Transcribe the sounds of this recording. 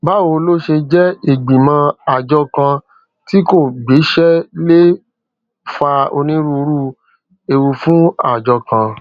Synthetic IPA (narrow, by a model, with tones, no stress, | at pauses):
ba˦wo˧lo˦ʃe˧d͡ʒɛ˦e˦˨ɡ͡bĩ˨mã˧a˨d͡ʒɔ˧kã˧ | ti˦ko˦˨ɡ͡be˨˦ʃɛ˦le˦ | fa˧o̰˧nĩ˦ɾu˧˦ɾu˦ | e˧wu˧fũ˦a˦˨d͡ʒɔ˧kã˧